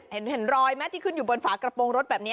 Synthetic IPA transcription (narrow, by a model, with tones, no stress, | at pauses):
he˩˦nhe˩˦nɾɔː˧jmɛː˦˥t̪ʰiː˧˩kʰɯ˧˩˨njuː˨˩boː˧nfaː˩˦kɾa˧po˧ŋɾo˦˥t̪̚bɛː˨˩p̚ni˦˥